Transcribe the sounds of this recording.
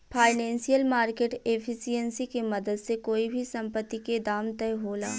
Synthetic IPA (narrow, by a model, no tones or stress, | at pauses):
pʰaːɪnɛ̃ːnsijəlmaːɾkeːʈepʰɪsijənsikemɐd̪əd̪sekoːibʱisɐ̃mpət̪ːiked̪aːmt̪ɛjɦoːla̰ː